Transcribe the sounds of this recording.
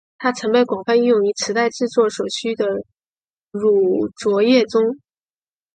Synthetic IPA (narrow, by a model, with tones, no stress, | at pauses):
t̪ʰa˥t͡sʰɤ˧˥ŋpe˥˩ɪkwɑ˨˩ŋfa˥˧ni˥˧jʊ˥˩ŋy˧˥t͡sʰɻ̩˧˥t̪a˥˧ɪʈ͡ʂɻ̩˥˧t͡swɔ˥˩ʂo˨˩t͡ɕʰy˥d̪ə˨ | ɻu˨˩t͡swɔ˧˥jɛ˥˩t͡sʊ˥ŋ